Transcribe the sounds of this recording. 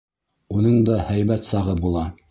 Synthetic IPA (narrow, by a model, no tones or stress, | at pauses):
unɤɴd̪ɑhæjβæt̪sɑʁɤbulˠɑ